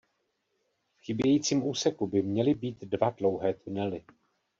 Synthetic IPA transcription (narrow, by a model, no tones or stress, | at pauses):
fxɪbjɛjiːt͡siːmʔuːsɛkubɪmɲɛlɪbiːt̪dvadlo̞wɦɛːt̪unɛlɪ